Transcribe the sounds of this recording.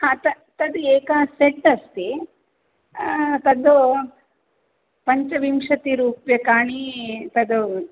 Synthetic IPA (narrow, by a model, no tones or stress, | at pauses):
hat̪ɐ | t̪ɐd̪ueːkaːseʈːɐst̪i | t̪ɐd̪u | pɐɲt͡ʃɐʋimʂɐt̪iɾuːpjɐkaːɳit̪ɐd̪u